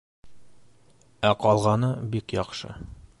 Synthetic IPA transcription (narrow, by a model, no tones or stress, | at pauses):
æqɒlˠʁɑnɤbikjɒqʃɤ̰